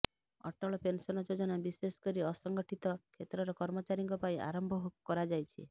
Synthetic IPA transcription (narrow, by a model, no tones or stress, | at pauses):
ɔ̰ʈɔɭɔpensɔnɔd͡ʒod͡ʒɔnabisesɔ̥kɔɾiɔsɔŋɡɔʈʰit̪ɔkʰet̪ɾɔɾɔkɔɾmɔt͡ʃaɾiŋkɔpaĩʔa̰ɾɔmbʱɔɦukkɔɾad͡ʒajt͡ʃʰḭ